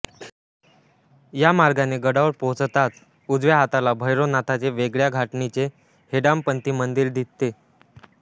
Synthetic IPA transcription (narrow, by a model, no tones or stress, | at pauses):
jamaɾɡaneɡəɽaʋəɾpot͡st̪at͡s̪ | ud͡zʋjaɦat̪alabʱəjɾonat̪ʰat͡seʋeɡɭjaɡʱaʈɳit͡se | heɽampənt̪iːmənd̪iːɾd̪ʱit̪ːe